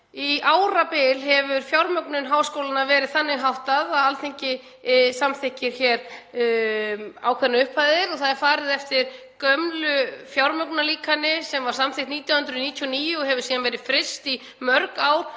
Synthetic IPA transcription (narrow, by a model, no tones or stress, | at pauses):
iaːwɾapɪlɦɛvʏɾ̥fjawɾmœknʏnɦaːwskowlanavɛːɾɪðθanːɪɦawht̪aðaalθeɲcɪ | samθɪhcɪɾ̥çɛːɾ | awkʰɛɾnaʏhphaːjðɪɾɔθaðɛɾ̥faːɾɪðɛft̪ɪɾ̥ | kœmlʏfjawɾmœknaliːkʰanːɪsɛmvḁsamθɪht̪niːt̪jahʏnt̪ɾʏniːt̪ʰjiɔniːjʊɦɛvʏ̥siːðanvɛːɾɪðfɾɪst̪i | mœɾkaːwɾ̥